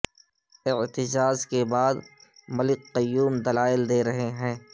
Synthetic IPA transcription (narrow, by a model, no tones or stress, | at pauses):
ɪʕt̪ɪd͡ʒaːzkebaːd̪mɐlɪqːɐjːuːmd̪ɐlaːɪld̪eːɾɐɦeɦɛ̃ː